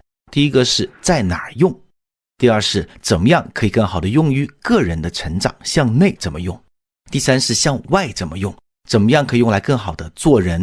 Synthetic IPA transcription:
t̪i˥˩i˥ɡə˧ʂɻ̩˥˧t͡sa˥˩ɪna˨˩jʊ˥˧ŋ | t̪i˥˧ɐ˞˥˧ʂɻ̩˥˩t͡sə˨˩nmə˦jɑ˥˩ŋkʰɤ˧˥i˨˩kɤ˥˩ŋxɑ˨˩ʊd̪ə˦jʊ˥˧ŋy˥kɤ˥˩ɻə˧˥nd̪ə˧ʈ͡ʂʰə˧˥ŋʈ͡ʂɑ̰˨˩˦ŋɕjɑ˥˧ŋne˥˩ɪt͡sə˨˩nmə̰˦jʊ˥˩ŋ | t̪i˥˩sa˥nʂɻ̩˥˧ɕjɑ˥˧ŋwa˥˩ɪʈ͡ʂə˨˩nmə˦jʊ˥˩ŋ | t͡sə˨˩nmə˦jɑ˥˩ŋkʰɤ˧˥i˨˩jʊ˥˩ŋla˧˥ɪkɤ˥˩ŋxɑ˨˩ʊd̪ə˦t͡swɔ˥˩ɻə˧˥n

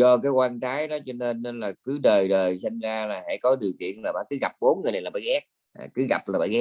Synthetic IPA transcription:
zɔ˧kaː˨˦jkwaː˧nt͡ɕaː˨˦jɗɔ˨˦t͡ɕɔ˧ne˧nːe˧nlaː˨˩kɨ˨˦ɗəː˨˩jɗəː˨˩jsa˧jŋzaː˧laː˨˩ha̰˧˥jkɔ˨˦ɗi˨˩əwk̪ḭ˧˨ənlaː˨˩ɓa̰ː˧˥kɨ˨˦ɣa˨˩p̚ɓo˨˦nŋɨ˨˩jna˨jlaː˨˩ɓa̰ː˧˦jɣɛ˦˥k̚ | a̰ː˨˩kɨ˨˦ɣa˨˩p̚laː˨˩ɓa̰ː˧˩ɣɛ˦˥

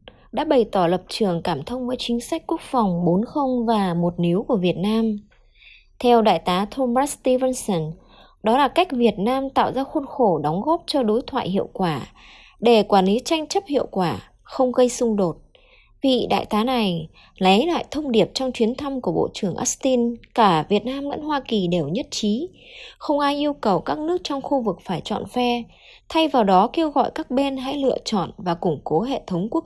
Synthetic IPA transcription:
ɗa̰ː˧˥ɓə˨˩jt̪ɔ˧˩lə˨˩p̚t͡ɕɨ˨˩əŋkaː˧˩mt̪ʰə˧wŋ͡mvəː˨˦jt͡ɕï˨˦ŋ̟sa˦˥k̟̚ku˦˥ək̚fɔ˨˩wŋ͡mɓo˨˦nxə˧wŋ͡mvaː˨˩mo˨˩t̚ni˨˦əwku˧˩əvi˨˩ət̚naː˧m | t̪ʰɛ˧wɗa̰ː˧˨jt̪aː˨˦t̪ʰo˧maː˦˥st̪i˧və˧nsə˧˩n | ɗɔ˨˦laː˨˩ka˦˥jk̟̚vi˨˩ət̚naː˧mt̪a̰ː˧˨wzaː˧xə˧nxo˧˩ɗɔ˨˦wŋ͡mɣɔ˦˥p̚t͡ɕɔ˧ɗo˨˦jt̪ʰwa̰ː˧˨jhɦḭ˧˨əwkwaː˧˩ | ɗe˧˩kwaː˧˩nli˨˦t͡ɕa˧jŋ̟t͡ɕə˦˥p̚hḭ˧˨əwkwaː˧˩ | xə˧wŋ͡mɣə˧jsʊ˧ŋ͡mɗo˨˩t̚ | vḭ˨˩ɗa̰ː˧˨jt̪aː˨˦na˨˩j | lə˨˦jla̰ː˧˨jt̪ʰə˧wŋ͡mɗi˨˩əp̚t͡ɕɔ˧wŋ͡mt͡ɕwi˨˦ənt̪ʰa˧mku˧˩əɓo̰˧˨t͡ɕɨ˧˩əŋʔa˦˥st̪i˧nkaː˧˩vi˨˩ət̚naː˧mzə̰˧˥nɦwaː˧ki˨˩ɗe˨˩wɲə˦˥t̚t͡ɕi˨˦ | xə˧wŋ͡mʔaː˧jʔi˧əwkə˨˩wkaː˦˥k̚nɨ˦˥ək̚t͡ɕɔ˧wŋ͡mxu˧vɨ˨˩k̚faː˧˩jt͡ɕɔ̰˧˨nfɛ˧ | t̪ʰa˧jvaː˨˩wɗɔ˨˦ke˧wɣɔ̰˧˨jkaː˦˥k̚ɓe˧nɦa̰˧˥jlɨ̰˧˨ət͡ɕɔ̰˧˨nvaː˨˩kʊ˨˧˩ŋ͡mko˨˦ɦḛ˧˨t̪ʰə˨˦wŋ͡mku˦˥ək

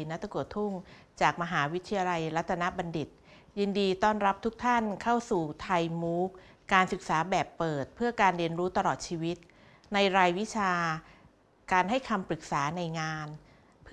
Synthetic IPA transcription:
na˦˥t̪a˧ku˨˩ət̪ʰːu˥˩ŋ | t͡ɕaː˨˩k̚ma˧ɦaː˩˦wi˦˥t̪ʰi˧ja˧la˧jɾa˦˥t̪ʰːa˧na˦˥ba˧ndi˨˩t̪̚ | ji˧ndiː˧t̪ɔː˥˩nɾa˦˥p̚t̪ʰu˦˥k̚t̪ʰa˥˩nkʰa˥˩wsuː˨˩t̪ʰa˧jmuː˦˥k̚ | kaː˧nsɯ˨˩k̚saː˩˦bɛː˨˩pːɤː˨˩t̪̚pʰɯ˥˩ɐkaː˧nɾi˧ənɾuː˦˥t̪a˧ɾɔː˨˩t̪̚t͡ɕʰiː˧wi˦˥t̪̚ | na˧jɾaː˧jwi˦˥t͡ɕʰaː˧ | kaː˧nɦa˥˩jkʰa˧mpɾɯ˨˩k̚saː˩˦na˧jŋaː˧n | pʰ

